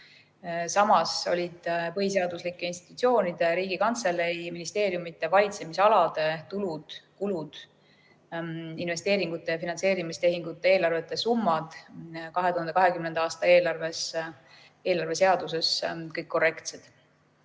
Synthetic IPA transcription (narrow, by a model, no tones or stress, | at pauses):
sɑmɑso̞̰lʲid̪̥pɤɦis̬e̞ɑd̪uslikːˑeinst̪i̥t̪ut̪sʲio̞ːnid̪̥eɾiːɡikɑnt̪selːejminist̪e̞ːɾjumit̪ːˑe̞vɑlʲit̪se̞misɑlɑd̪̥e̞t̪ulud̪̥kulud̪̥ | inve̞st̪e̞ːɾiŋɡ̥ut̪ˑːe̞jɑfinɑnse̞ːɾimist̪e̞ɦiŋɡut̪ːeeːlɑrve̞t̪ːˑe̞sumːɑd̪̥kɑɦet̪uhɑnd̪ekɑɦe̞kymnend̪ɑɑːst̪ɑe̞ːlɑrves | e̞ːlɑrve̞se̞ɑd̪̥use̞skɤjkːo̞re̞kt̪sed̪̥